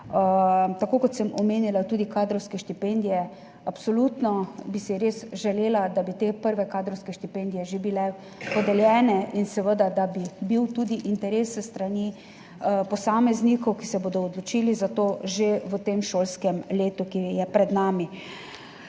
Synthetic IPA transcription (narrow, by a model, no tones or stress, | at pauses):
t̪akoːkɔt̪səmɔmeːnilat̪uːd̪ikaːd̪ɾɔwskɛʃt̪ipend̪ijɛ | apsɔlut̪nɔbisɛɾeːsʒɛleːlad̪abit̪epəɾʋɛkaːd̪ɾɔwskɛʃt̪ipend̪ijɛʒebilɛ | pɔd̪ɛljɛːnɛʔinsɛʋəd̪ad̪abibiwt̪uːd̪iʔint̪ɛɾeːsɛst̪ɾani | pɔsaːmɛznikɔwkisɛboːd̪ɔːd̪lɔt͡ʃiːlizat̪oːʒeʋət̪emʃoːlskɛmleːt̪ukijɛpɾɛd̪naːmi